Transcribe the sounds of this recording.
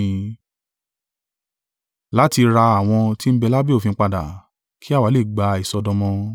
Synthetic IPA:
la˨˦ti˧ɾa˧a˨w̃ɔ̃˧ti˦m̩˦bɛ˧la˦be˦o˦fĩ˧˦k͡pa˧˨da̰˨ | kʰi˦a˦˨wa˨˦le˦˨ɡ͡ba˧i˨sɔ˧dɔ̃˧mɔ̃˧

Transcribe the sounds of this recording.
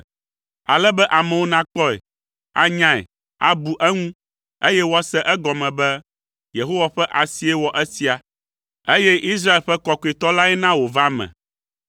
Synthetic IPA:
a̰˨lɛ˦bɛ˦ʔa˨mɛ̃˨wo˦nã˦k͡pɔ˦ɛ̰˨ | a̰˦ɲã˦˨ɛ̰˨ | a̰˨bu˨ʔɛ˦ŋũ˦ | e˦jɛ˦wo˦a˦sɛ˦ʔɛ˦ɡɔ˨mɛ̃˨bɛ˦ | je˨ɦo˦wa˨ɸɛ˦ʔa˨si˨˦ɛ˦wɔ˨ʔɛ˦si˦a˨ | e˦jɛ˦ʔi˦s̬ɾa˦e˨lɸɛ˦kɔ˦kɔ˨i˨t̪ɔ˦la˦ɛ˦nã˦wo˨va˦mɛ̰̃˨

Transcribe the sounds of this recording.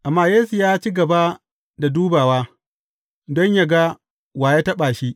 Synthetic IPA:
ʔa˨mːaː˦jeː˦su˨jaː˦t͡ʃi˦ɡɐ˨ba˦ | da˨duː˦baː˨waː˦ | dɔ˦ɲja˨ɡa˦ | waː˨ja˦tɐ˦ɓaː˨ʃi˦ʔ

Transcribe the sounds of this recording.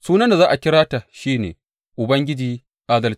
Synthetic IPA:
suː˦nɐ˦nda˨zaː˦ʔa˨kʲɪ˦ɾaː˦ta˨ʃiː˦nḛː˨ | ʔʊ˨bɐ˦ŋɡʲɪ˦d͡ʒiː˦ | ʔaː˦dɐ˨lt͡ʃː

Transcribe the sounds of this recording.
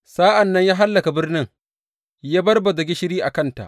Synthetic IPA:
saː˦ʔa˨nːɐ˦ɲjaː˦ɦa˦lːɐ˨ka˨bɪ˦rnɪ˦ŋ | jaː˦bɐ˦rbɐ˨dɐ˨ɡʲɪ˦ʃɪ˦ɾiː˦ʔa˨kɐ˦˨nta̰˨ʔ

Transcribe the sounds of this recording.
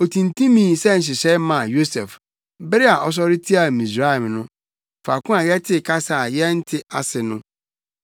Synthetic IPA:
o˨tʰĩ˨ntʰĩ˦mĩː˦sɛ˦n̩˨ɕ̬ɪ˨ɕɛ˦ɪ˦mã˨jo˦sɛ˨f | bɪ˦ɾi˦a˨ʔɔ˦s̬ɔ˦ɾɪ˦tʰi˦a˨mĩ˨sɾa˦ɛ˨mnʊ̃˦ | fa˨kʊ̃˦a˨jɛ˦tʰɪ˦˨kʰa˦sa˨jɛ˦n̩˦tʰɪ˦a˨sɪ˨nʊ̃˦

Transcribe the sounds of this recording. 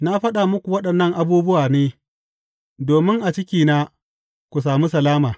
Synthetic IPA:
na˦ɸɐ˦ɗa˨mʊ˦kʷu˨wɐ˦ɗɐ˨nːɐ˦ŋʔa˨buː˦bʊ˦waː˨neː˦ | doː˨mɪ˦ŋʔa˨t͡ʃɪ˦kʲiː˨naː˦ | kʷu˨s̬aː˨mu˦sɐ˨laː˦maː˨

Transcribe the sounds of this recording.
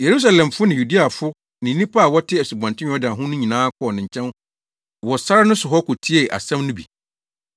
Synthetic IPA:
je˨ɾu˦s̬a˨lɛ̃˨mfʊ˦nɪ̃˨ju˨di˦a˨fʊ˦ | nɪ̃˨nĩ˦pʰa˦a˨wɔ˦tʰɪ˦æ˨su˨bã˨ntɪ̃˦ɔ˦dɪ˨a˨ɦʊ̃˦nʊ̃˦ɲĩ˨nãː˦kʰɔ˦ɔ˨nɪ̃˨ɲ̩˨t͡ɕʰɛ̃˦n | wɔ˨sa˦ɾa˦nʊ̃˦sʊ˨ɦɔ˦kʊ˨tʰi˦e˦˨ʔa̰˨sɛ̃˦mnʊ̃˦bḭ˨

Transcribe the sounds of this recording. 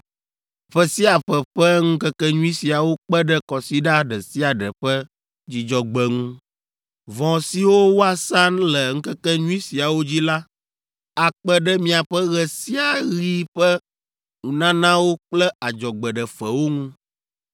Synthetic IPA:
ɸɛ˨si˦a˨ɸɛ˨ɸɛ˦ŋũ˦kɛ˦kɛ˦ɲũ˦i˦si˨a˨wo˦k͡pɛ˦ɖɛ˦kɔ˨si˦ɖa˦ɖɛ˨si˦a˨ɖɛ˨ɸɛ˦ | d͡ʑi˦d͡ʒɔ˦ɡ͡bɛ˨ŋũ˦ | vɔ̃˨si˨wo˦wo˦a˦sa˦nlɛ˨ŋ̩̃˦kɛ˦kɛ˦ɲũ˦i˦si˨a˨wo˦d͡ʑi˦la˦ | a˨k͡pɛ˦ɖɛ˦mĩ˨a˨ɸɛ˦ɣɛ˨si˦a˨ɣi˦ɸɛ˦ | ŋũ˨nã˦nã˦wo˦k͡plɛ˦a˨d͡ʒɔ˨ɡ͡bɛ˨ɖɛ˨ɸɛ˨wo˦ŋũ˦

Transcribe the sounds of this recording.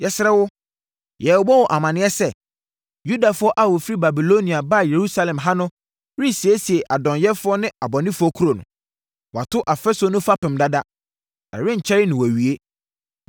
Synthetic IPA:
jɛ˦sɪ˦ɾɛ˦wʊ˦ | jɛ˨wɔ˨bɔ˦wɔ˨ʔa˨mã˨nɪ̃˨˦ɛ˦sɛ˦˨ | ju˦da˨fʊ˦ɔ˦ʔa˦˨wɔ˨fi˦ɾi˦ba˨bi˨lo˦nĩ˨a˨ba˦˨je˨ɾu˦sa˦lɛ̃˨mɦã˦nʊ̃˦ | ɾi˦si˨e˦si˨e˨ʔa˨dɔ̃˨njɛ˦fʊ˦ɔ˦nɪ̃˦a˨bɔ˨nɪ̃˦fʊ˦ɔ˦kʰu˦ɾo˨nʊ̰̃˨ | wɔ˨a˨tʰʊ˦ʔa˨fɛ˦so˨˦nʊ̃˦fa˦pɪ̃˨mda˦da˦ | ɛ̰˨ɾɪ̃˦ɲ̩˨t͡ɕʰɛ˦ɾɪ˦nɪ̃˨wæ˨ɥi˨e˦

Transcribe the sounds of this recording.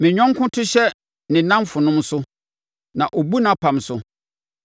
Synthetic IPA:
mɪ̃˨ɲᶣɔ̃˦ŋ˦kʰʊ̃˦tʰʊ˦ɕɛ˦ | nɪ̃˨nã˦mfʊ˨nʊ̃˦msʊ˦ | nã˨ʔo˨bu˦nã˨pʰã˨msʊ˦

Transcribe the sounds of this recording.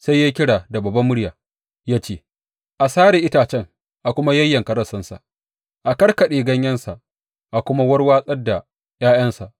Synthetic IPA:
sa˦jːaː˦kʲɪ˦ɽaː˨da˨bɐ˨bɐ˦mʊ˦ɽjaː˨ | jaː˦t͡ʃeː˦ | ʔa˨saː˦ɾe˨ʔɪ˦taː˨t͡ʃɛ˦ŋ | ʔa˨kʷʊ˦ma˦jɐ˦jːɐ˨ŋkɐ˦ɾɐ˦˨sɐ˦nsa̰˨ʔ | ʔa˨kɐ˦ɽkɐ˨ɗeː˨ɡɐ˦ɲjɐ˦nsa˨ʔ | ʔa˨kʷʊ˦ma˦wɐ˦ɽwaː˦sʼɐ˦dːa˨ | j̰aː˦j̰ɐ˦nsa˨ʔ

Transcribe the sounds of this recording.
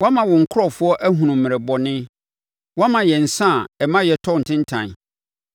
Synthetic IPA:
wã˦mã˨wɔ̃˨ŋ̩˨kʰʊ˦ɔ˨fʊ˦ɔ˦ʔæ˦ɦũ˨nũ˨m̩mːɪ̃˨ɾɛ˨bɔ˨nɪ̃˦ | wã˦mã˨jɛ˨n̩˨sã˦˨ɛ˨mã˦jɛ˨tʰɔ˦˨n̩˨tʰɪ̃˦n̩˦tʰã̰˨n˨

